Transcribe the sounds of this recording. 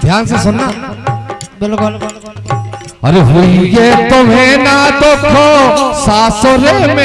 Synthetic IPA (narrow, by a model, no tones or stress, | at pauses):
d̪ʱjaːnsesʊna | bel | ɐɾeɦuijet̪omẽnat̪okʰosaːsoɾemẽ